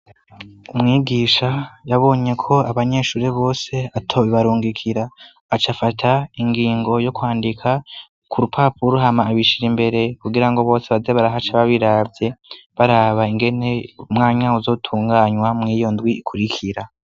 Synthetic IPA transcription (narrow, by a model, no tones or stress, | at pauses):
umŋiːɡiːʃajaβo̞ːɲe̞kʰo̞aβaɲe̞ʃuːɾeβo̞ːse̞atʰoβiβaɾuːŋɡikʰiɾaː | t͡ʃafatʰaiŋɡiːŋɡo̞jo̞kwaːndikʰa | kuɾupʰapuɾuɦamaːβiʃiɾimbe̞ɾe̞kuɡiɾaŋɡo̞βo̞ːse̞βazeβaɾaɦat͡ʃaβaβiɾaːbze̞βaɾaβaiŋɡe̞ne̞umŋaːɲauzo̞ːtʰuːŋɡaɲwamŋiːjo̞ndwiːkʰuɾikʰiɾa